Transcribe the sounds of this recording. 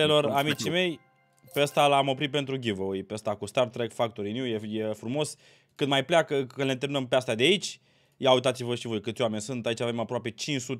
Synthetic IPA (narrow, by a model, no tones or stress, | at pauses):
elo̞ramit͡ʃime̞j | pe̞əst̪alamo̞pɾit̪̚pe̞nt̪ɾuɡʲivəujpe̞əst̪akust̪art̪ɾekfak̚t̪oɾinjuje̞je̞fɾumo̞s | kɨnd̪majpleakəənlent̪eɾminəmpeast̪ad̪eait͡ʃʲ | jawut̪̬at̪sivəʃivo̞jkɨt̪sʲowame̞nʲsunt̪ait͡ʃavemapɾoape̞t͡ʃint͡ʃsut̪